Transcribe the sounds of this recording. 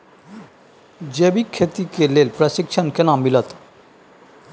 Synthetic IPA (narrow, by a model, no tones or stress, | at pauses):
d͡ʒeːbikʰːeːt̪ikeleːlpɾəsɪkʃʰənkenaːmːɪlət̪